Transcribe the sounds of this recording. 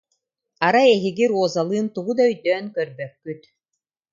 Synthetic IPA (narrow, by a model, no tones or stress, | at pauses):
aɾaɛɦiɡiɾuɔzalˠɯːnt̪uɣud̪aœjd̪øːnkœɾbœkːyt̪